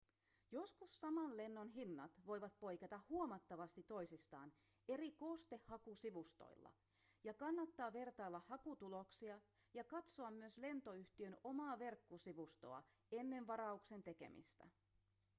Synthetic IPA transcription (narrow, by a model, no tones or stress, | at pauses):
jo̞skusːɑmɑnle̞nːonɦinːɑt̪ʋo̞jʋɑt̪̚po̞jkɑt̪ɑhːuomɑt̪ːɑʋɑst̪it̪o̞jsist̪ɑ̰ːn | e̞ɾiko̞st̪e̞hhːɑkusiʋust̪o̰ilːɑ̰ | jɑkɑnːɑt̪ːɑːʋe̞rt̪ɑːlːɑhːɑkut̪ulo̞ksiɑjɑkɑt̪so̞ɑmːyøsle̞nt̪o̞yht̪iøno̞mɑːʋe̞rkːosiʋust̪o̞̰ɑ̰e̞nːe̞ɱʋɑɾɑukse̞nt̪e̞ke̞̰mḭst̪æ̰